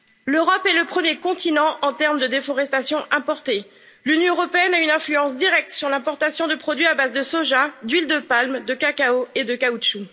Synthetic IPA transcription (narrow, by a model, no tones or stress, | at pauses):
løʁɔpɛləpχəmjekɔ̃t̪inɑ̃ʔɑ̃t̪ɛʁmd̪əd̪efɔʁɛst̪asjɔ̃ʔɛ̃pɔʁt̪e | lynjɔ̃øʁɔpeɛnaynɛ̃flyɑ̃sd̪iʁɛk̚t̪syʁlɛ̃pɔʁt̪asjɔ̃d̪əpχɔd̪ɥiabazd̪əsoʒad̪ɥild̪əpalmd̪əkakaoed̪əkauʃu